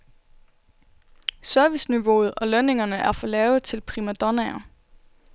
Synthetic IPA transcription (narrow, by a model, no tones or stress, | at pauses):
sœɐʋisniʋo̝̰ːð̞̩ˠɒ̽løne̝ŋɐnəʔæɐfɒ̽lɛːʊð̩ˠt͡sʰe̝lpʰʁimæd̥ɒnɛɐ